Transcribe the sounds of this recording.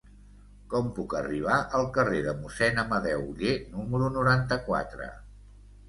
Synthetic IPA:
kɔmpukəriβ̞aʔəlˠkəreðəmusɛnəməðɛwʎenuməɾunuɾant̪əkwa̰t̪ɾə̰

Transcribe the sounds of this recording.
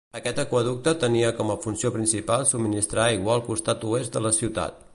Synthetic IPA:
əkɛt̪əkuəð̞uk̚t̪ət̪əniəkɔməfunsiopɾinsipalˠsub̚minist̪ɾaiɣwalˠkust̪at̪uesd̪ələsiwt̪a̰t̪̚

